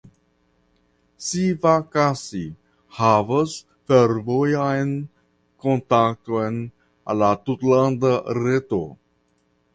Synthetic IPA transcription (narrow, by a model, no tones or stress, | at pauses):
sivakasi | havas | feɾvojajn | kontak̚tojn | a̰lat̪utlandaɾeto̰